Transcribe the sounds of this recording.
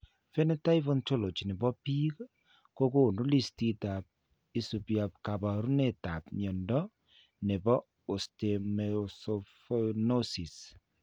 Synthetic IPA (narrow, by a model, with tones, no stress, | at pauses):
fɛ˦nɛ˦ta˦i˦fɔ˦nto˦lo˨t͡ʃi˨ne˨bɔ˦pi˦k | ko˦ko˦˨nu˦li˦sti˦ta˨p̚ | i˦su˨pja˨p̚ka˨ba˨ɾu˦ne˦˨ta˨pɲɔ˨ndɔ˦ | ne˨bɔ˦ | o˨ste˨msɔfono˦si˨s